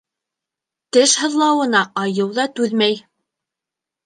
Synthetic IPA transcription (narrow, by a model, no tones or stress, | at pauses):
t̪ɘʃhɤ̆ðlˠɑwɤ̆nɑʔɑjɤwðɑt̪ʉðmæj